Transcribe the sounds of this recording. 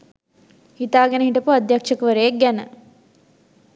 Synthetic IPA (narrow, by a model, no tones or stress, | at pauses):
hit̪aːɡenəɦiʈəpuad̪jakʂɐkʋəɾejek̚ɡænə